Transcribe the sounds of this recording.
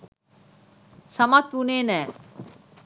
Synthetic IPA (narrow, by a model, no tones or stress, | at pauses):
sɐmat̪uneːnɛː